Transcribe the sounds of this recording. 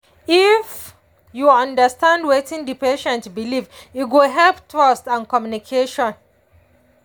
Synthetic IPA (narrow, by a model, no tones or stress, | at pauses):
if | juʌ̃ndəstãndwetĩndipeʃɛ̃ntbilivitɡoɦɛlptʰɹɔstãnkɔmjunikʰeʃɔ̃n